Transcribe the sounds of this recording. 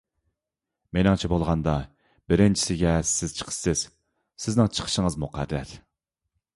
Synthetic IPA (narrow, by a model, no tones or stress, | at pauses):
menɪŋt͡ʃʰɛbolˠʁɑnd̪ɑ | bɪɾɪnt͡ʃʰi̥sɪɡʲɛsɪz̥t͡ʃʰə̥qʰə̥sɪz̥ | sɪznɪŋt͡ʃʰə̥qʰə̥ʃəŋəzmuqʰæɾːæ̰ɾ